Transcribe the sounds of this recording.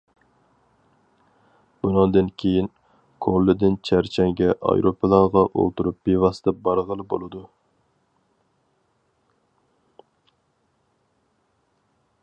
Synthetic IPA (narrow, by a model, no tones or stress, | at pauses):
b̥unɑnd̪ɨnkʲʰejin | kʰolˠːɪd̪ɪnt͡ʃʰæɾt͡ʃʰæŋɡʲɛʔɑ̰jɾopʰɨlˠɑɾʁɑʔo̰lˠt̪uɾup̚bevɑst̪ɛbɑɾʁəlˠɨbo̰lˠɨd̪u